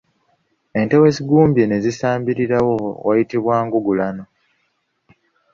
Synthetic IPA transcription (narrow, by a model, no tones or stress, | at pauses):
e̞nte̞we̞siɡuːmbjene̞zisaːmbiɾiɾawo̞wa̰jitiβwaːŋɡuɡulano̞